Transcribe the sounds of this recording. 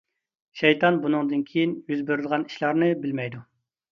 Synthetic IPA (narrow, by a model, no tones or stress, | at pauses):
ʃɛjt̪ʰɑnbunɨŋd̪ɨnkʲʰejinjyzbeɾɪd̪ʁɑni̥ʃlˠɑɾnɨbɪlmɛjd̪u